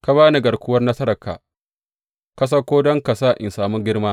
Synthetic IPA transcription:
ka˨βaː˦ni˨ɡɐ˨ɽkʷʊ˦wɐ˦rnɐ˦sɐ˦ɾɐ˨ka̰ː˨ | kɐ˦s̬ɐ˦kʷoː˦dɔ˦ŋka˨saː˦˨ʔɪ˨nsaː˨mʊ˦ɡʲɪ˦rmaː˦

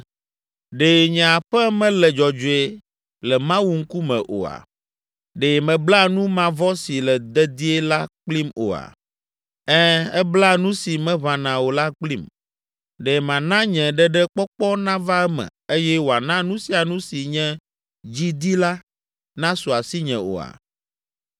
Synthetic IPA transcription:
ɖeː˨ɲɛ̃˨a˨ɸɛ˦mɛ̃˦lɛ˨d͡ʒɔ˨d͡ʒo˨e˦˨ | lɛ˨mã˦wu˦ŋ̩˦ku˦mɛ̰̃˨ʔo̰˨a̰˨ | ɖe˨mɛ̃˨bla˦nũ˦mã˨vɔ˦si˨lɛ˨d̪ɛ˦d̪i˦ɛ˦la˦k͡pli˦mo̰˨a̰˨ | ɛ˦ɛ˦bla˦˨nũ˦si˨mɛ̃˦βã˨nã˨wo˨la˦k͡pli˦m | ɖɛ˨mã˨nã˦ɲɛ̃˨ɖɛ˦ɖɛ˦k͡pɔ˦k͡pɔ˦nã˦va˦ɛ˦mɛ̰̃˨e˦jɛ˦wo˨a˨nã˦nũ˦si˦a˨nũ˦si˨ɲɛ̃˦ | d͡ʑi˦d̪i˦la˦ | nã˦su˨a˨si˦ɲɛ̃˨o̰˨a̰˨

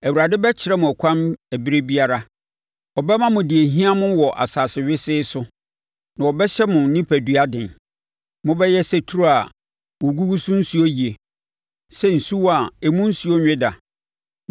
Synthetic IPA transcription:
æ˨wu˨ɾa˨dɪ˦bɛ˦t͡ɕʰɪ˨ɾɛ˦mʊ̃˨æ˨kʰʷã˦mæ˨bi˦ɾe˦bi˦a˦ɾa˦ | ɔ˨bɛ˦mã˦mʊ̃˨dɪ˨e˨ɦĩ˦a˦mʊ̃˦wɔ˨ʔa̰˨saː˨sɪ˨ɥɪ˦sɪː˦sʊ˦ | nã˨ɔ˨bɛ˦ɕɛ˦mʊ̃˨˦nɪ̃˦pʰæ˨dɥa˦dɪ̃˨n | mʊ̃˦bɛ˦jɛ˦sɛ˦tʰu˦ɾo˦a˨ | wo˨ɡu˦ɡu˦sũ˦n̩˦su˦o˦ji˨e˨ | sɛ˦˨n̩˨su˦wa˨ɛ˨mũ˦n̩˦su˨˦o˦ɲᶣɪ̃˦da˨

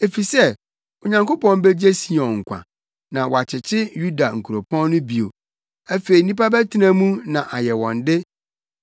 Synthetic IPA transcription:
e˨fi˨sɛ˦ | o˨ɲã˨ŋko˦pɔ̃˨m˦bɛ˦d͡ʑe˦si˨ɔ̃˨ŋ̩˨kʷʰã̰˨ | nã˨wɔ˨a˨t͡ɕʰɪ˨t͡ɕʰɪ˦ju˦da˨ŋ̩˨kʰu˨ɾo˨pʰɔ̃˦n˦nʊ̃˦bi˨o̰˨ | æ˦fe˨i˨nĩ˦pa˦bæ˦tʰi˦nã˦mũ˦nã˨ʔa˨jɛ˨wɔ̃˨ndɪ˦

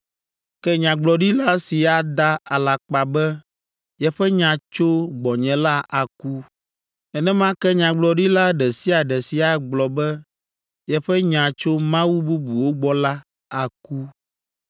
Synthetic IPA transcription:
kɛ˦ɲã˨ɡ͡blɔ˨ɖi˦la˦si˨a˨d̪a˦a˨la˨k͡pa˨bɛ˦ | jɛ˨ɸɛ˦ɲã˨t͡ʃo˦ɡ͡bɔ˨ɲɛ̃˨la˦ʔa˨ku˦ | ɛ˨nɛ̃˦mã˦kɛ˦ɲã˨ɡ͡blɔ˨ɖi˦la˦ɖɛ˨si˦a˨ɖɛ˨si˨a˨ɡ͡blɔ˨bɛ˦ | jɛ˨ɸɛ˦ɲã˨t͡ʃo˦mã˦wu˦bu˦bu˨wo˦ɡ͡bɔ˦la˦ | a˨ku˦

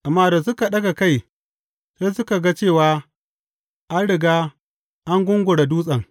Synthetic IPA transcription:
ʔa˨mːaː˦˨da˨s̬ʊ˦ka˨ɗɐ˦ɡa˨ka˦j | sa˦jsʊ˦ka˨ɡa˦t͡ʃeː˦˨waː˦ | ʔa˦nɽɪ˨ɡaː˦ | ʔa˦ŋɡʷʊ˦ŋɡʷʊ˨ɽa˨duː˦sʼɐ˨ŋ

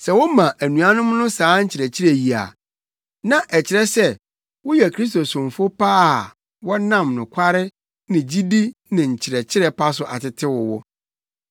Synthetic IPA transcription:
sɛ˨wʊ˦mã˨ʔæ˨nũ˨a˦nʊ̃˦m˦nʊ̃˦saː˨˦ɲ̩˦t͡ɕʰɪ˨ɾɛ˨t͡ɕʰɪ˦ɾɛ˨ji˨a̰˨ | nã˨ʔɛ˨t͡ɕʰɪ˨ɾɛ˦sɛ˦ | wʊ˦jɛ˨kʰɾi˦s̬t̪o˨sʊ̃˨mfʊ˦pa˦˨ | wɔ˦nã˦˨mnʊ̰̃˨kʷʰa˦ɾɪ˦ | nɪ̃˨d͡ʑi˦di˦nɪ̃˨ɲ̩˨t͡ɕʰɪ˨ɾɛ˨t͡ɕʰɪ˦ɾɛ˦pʰa˦s̬ʊ˨ʔa̰˨tɪ˦tʰɪ˦wʊ˨wʊ̰˦

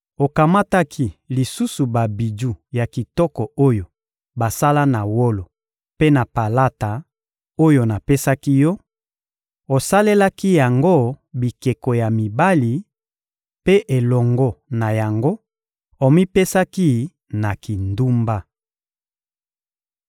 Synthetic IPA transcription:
o˨ka˨ma˦ta˦kʰi˦li˨su˦su˨ba˨bi˨d͡ʒu˦˨ja˨ki˨tɔ˦kɔ˨o˦jo˨ | ba˨sa˦la˦na˨wo˦lo˨ | pe˦na˨pa˨la˦ta˨ | o˦jo˨na˨pe˦sa˦ki˦jɔ˦ | o˨sa˦le˦la˦ki˦ja˨ŋɡo˦˨bi˨ke˨ko˨ja˨mi˨ba˦li˨ | pe˦ʔe˨lɔ˨ŋɡɔ˦na˨ja˨ŋɡo˦ | o˨mi˦pe˦sa˦ki˦ | na˨ki˨ndu˦mba˦

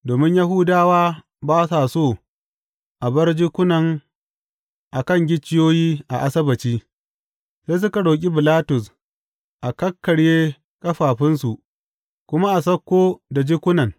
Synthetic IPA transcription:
doː˨mɪ˦ɲja˦ɦʊː˦daː˦waː˦ | baː˦sa˨soː˦˨ | ʔa˨bɐ˦rd͡ʒɪ˦kʷʊ˦nɐ˨ŋ | ʔa˨kɐ˦˨ŋɡʲɪ˦t͡ʃːɪ˦joː˦jiː˦ʔa̰˨ʔa˨sɐ˦bɐ˨t͡ʃiː˦ | seː˦s̬ʊ˦ka˨ɽoː˨kʲʼi˦bɪ˨laː˦tʊ˨s | ʔa˨kɐ˦kːɐ˨ɽjeː˦ | kɐ˦ɸaː˨ɸɪ˦nsu˨ʔ | kʷʊ˦ma˦ʔa˨sɐ˦kʷːoː˦da˨d͡ʒɪ˦kʷʊ˦nɐ˨ŋ

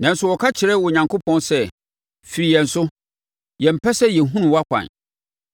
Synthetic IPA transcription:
nã˨n̩˦sʊ˦wɔ˨kʰa˦t͡ɕʰɪ˨ɾɛ˦wɔ˨ɲã˨ŋkʰo˦pʰɔ̃˦nsɛ˦ | fi˨ɾi˨jɛ̃˨n̩˨sʊ˦ | jɛ̃˨m̩˨pʰɛ˦sɛ˦jɛ˨ɦũ˦nũ˨wa˦kʷʰã̰˨n

